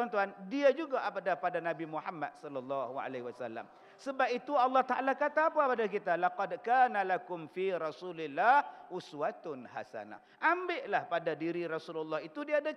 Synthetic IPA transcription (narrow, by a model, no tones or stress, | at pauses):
t̪uant̪uandiad͡ʒuɡaʔapadapadanãbimuħamːa̰t̪̚sɔlːalːɑhua̰laɦwasalːa̰m | səbap̚it̪uɑlːɑht̪aʔalakat̪aːpapadak̬it̪alaqɑdkaːnalakʊmfiɾɑsulɪlːahʔʊswat̪ʊnha̰sa̰na̰ | ʔambɪʔlahpadadiɾiɾɔsululːɑhit̪udiada